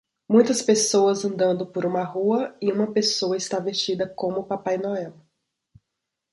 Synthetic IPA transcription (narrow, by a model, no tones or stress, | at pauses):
mũj̃t̪ɐspesowɐzɐ̃nd̪ɐ̃nd̪ʊpoɾũmɐɦuɐɪũmɐpesowɐɪst̪avest͡ʃid̪ɐkõmʊpapajnɔɛw